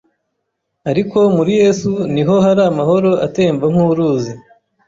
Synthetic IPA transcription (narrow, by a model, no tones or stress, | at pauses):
aɾiko̞muɾije̞ːsuniɦo̞ɦaɾaːmaho̞ɾo̞ʔate̞ːɱvaŋ̥huːɾuːzi